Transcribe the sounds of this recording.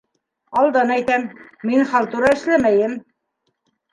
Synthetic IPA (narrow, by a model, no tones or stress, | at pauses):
ɑlˠd̪ɑnæjt̪æmːinχɑlˠt̪uɾɑɘ̆ʃlæmæjɘm